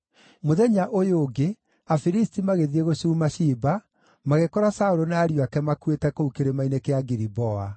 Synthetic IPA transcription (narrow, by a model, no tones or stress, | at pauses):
moðɛɲaʔojoɡe | afiɾistimaɣeðieɣoɕuːmaɕiːba | maɣekɔɾasaoɾonaːɾjwakɛmakuetɛkoukeɾemainekeaɡiɾibɔa